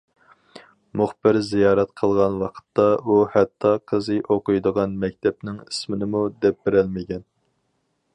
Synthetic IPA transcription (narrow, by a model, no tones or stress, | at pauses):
muχb̥ɪɾzijɑːɾɛt̪qʰəlˠʁɑnwɑqʰə̥t̪ʰːɑuhɛt̪ʰːɑqʰəzɨʔoqʊjd̪əʁɑnmɛk̚ʲt̪ʰɛp̚nɪŋi̥smɪnɪmud̪ɛp̚bɪɾælmɪkʲɛn